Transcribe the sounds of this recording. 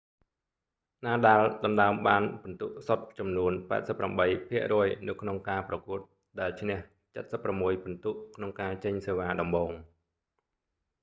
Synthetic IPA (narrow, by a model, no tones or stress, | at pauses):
naːɗaːlɗɑmɗaəmɓaːnpunt̪uʔsot̪̚t͡ɕɑmnuənpa̰ɛt̪̚səpːramɓəjpʰiəʔrɔəjnɨwkʰnoŋkaːprɑkuət̪̚ | ɗaɛlt͡ɕʰnɛ̆əh | t͡ɕət̪̚səpːramːuəjpunt̪uʔkʰnoŋkaːt͡ɕəɲseːʋaːɗɑmɓoːŋ